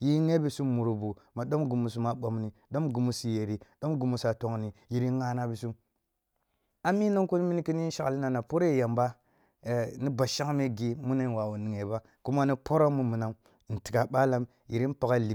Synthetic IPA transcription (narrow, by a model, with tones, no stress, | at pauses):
ji˦ŋe˦bi˨su˦mːu˨ɾu˨bu˨ma˨ɗo˦mɡu˨mu˨s̬u˨ma˨ɓo˨mni˨ɗo˦mɡu˨mu˨si˨je˨ɾi˨ɗo˦mɡu˨mu˨sa˨to˨ŋni˨ji˨ɾi˦ŋa˦na˦bi˨su˦m | a˦mi˦no˦ŋku˦n˦mi˦ni˦ki˦n˦i˦n˦ʃa˨kli˦na˨na˨po˦ɾe˦˨ja˨mba˦˨ | ni˦ba˨ʃa˦ŋ˦me˦ɡi˦mu˦ne˦n˨wa˨wu˨ni˨ŋe˨ba˦ | ku˦ma˦ni˦po˦ɾo˦mu˦mu˨na˨˦m˨ | n̩˨ti˨ka˨ɓa˦la˦m | ji˨ɾi˦n˦pa˨ɡa˦˨li˨